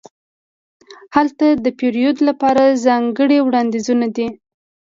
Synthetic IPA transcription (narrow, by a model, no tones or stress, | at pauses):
halt̪ad̪əpeɾijod̪lapɑɾazɑŋɡəɽewɽɑnd̪izunad̪i